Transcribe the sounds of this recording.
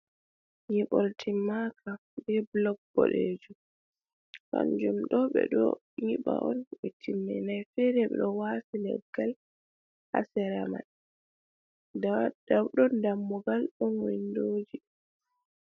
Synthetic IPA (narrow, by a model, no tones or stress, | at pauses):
ɲiɓɔltʰimːaka | bɛblɔɡ̚b̥ɔɗeːd͡ʒu | ka̰nd͡ʒumɗɔɓɛ̰ɗɔ̰ | ɲiɓa̰ʔɔnɓɛtʰimːɛ̰najfɛɾɛɓɛɗɔwasilɛ̰ɡːal | ha̰sɛɾama̰n | dad̥awɗɔndamːɔɡalɗɔnwindoːd͡ʒi